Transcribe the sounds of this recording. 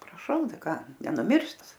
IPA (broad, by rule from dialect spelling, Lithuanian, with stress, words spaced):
prɐˈʃɐʊ ˈtɐɪ ˈkɑː nʲɛnʊˈmʲɪrs ˈtɐs